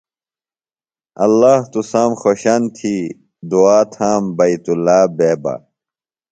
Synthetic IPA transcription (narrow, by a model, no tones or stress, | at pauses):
ɐlːaːht̪usaːmxoɕɐnt̪ʰiː | d̪uaːt̪ʰaːmbɐit̪ulːaːbeːba̰